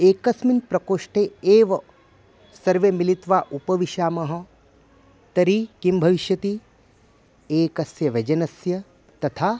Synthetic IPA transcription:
eːkɐsminpɾɐkoːʂʈeːeːʋɐ | sɐɾʋeːmilit̪ʋaːʔupɐʋiʃaːmɐɦɐ̆ | t̪ɐɾikimbʱɐʋiʃjɐt̪i | eːkɐsjɐʋed͡ʒɐnɐsjɐ | t̪ɐt̪ʰaː

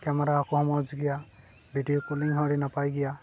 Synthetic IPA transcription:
kɛmɛɾakɔɦɔmɔd͡ʒɡɛja | bʱiɖijokoliŋɦɔɽinapajɡɛja

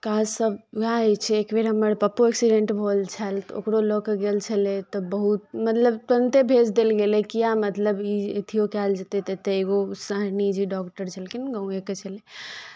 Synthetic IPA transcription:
kad͡ʒsəbjaɛt͡ʃʰɛːkbeɾɦəməɾpəpːueksiɖẽɳʈbʱolt͡ʃʰalt̪o̰kɾolokɡelt͡ʃʰəlet̪ɔbəɦut̪̚mət̪ləbt̪ənt̪ebʱed͡ʒd̪elɡelekijamət̪ləbiet̪ʰijokɛld͡ʒət̪et̪ət̪əeɡosəɦnid͡ʒiɖɔkʈəɾt͡ʃʰəlkinɡə̃ũeket͡ʃʰəle

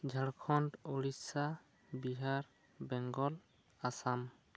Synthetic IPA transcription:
d͡ʒʱaɽkʰɔntoɽisa | biɦaɾ | bɛŋɡɔl | asam

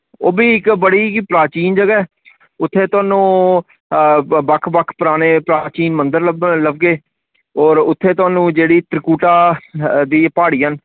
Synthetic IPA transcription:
oːbiːɪkbəɽiːpɾaːt͡ʃiːnd͡ʒəɡaːɛː | ʊt̪ʰːeːt̪ʊaːnũː | bəkʰbəkʰpəɾaːneːpɾaːt͡ʃiːnmənd̪əɾləbləb̚ɡeː | ɔːɾʊt̪ʰːeːt̪ʊaːnũːd͡ʒeːɽiːt̪əɾkuːʈaːd̪iːpaːɽiːɦən

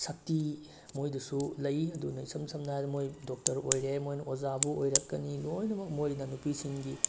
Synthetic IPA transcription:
sɐk̚ti | mojdusulɐjɐdunɐjsɐmsʰɐmnajdɐmojdok̚tɐɾojɾemojnɐozabuojɾɐkːɐnilojnɐmɐk̚mojɾnɐnupisiŋɡi

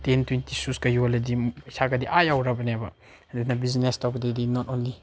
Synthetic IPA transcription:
tentwintisuskɐjolɐdiisaɡɐdiʔajawɾabɐnabɐ | denɐbiznestawɡɐdidinɔtonli

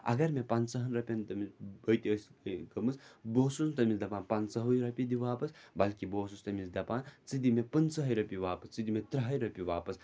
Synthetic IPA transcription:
ɐ̰ɡɐɾmepansɐɦɐnɾɐpʲɐnt̪ɐmibɐjt̪iəskɐmɨsboːsusnt̪ɐmisd̪ɐpaːnpansɐɦujɾɐpʲid̪iʋaːpɐsbɐlkiboːsust̪ɐmisd̪ɐpaːnt͡sɨd̪imepɐnsɐɦɐjɾɐpiʋaːpɐst͡sɨd̪imet̪ɾɐɦɐjɾɐpʲiʋaːpɐs

